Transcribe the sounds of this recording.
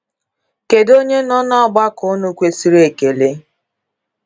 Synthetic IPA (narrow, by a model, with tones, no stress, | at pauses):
ke˨do˦ɲe˦nɔ˦nɔ˦ɡ͡ba˦kʊ˨˦nʊ˦kʷe˦si˦ɾe˨ke˨le˦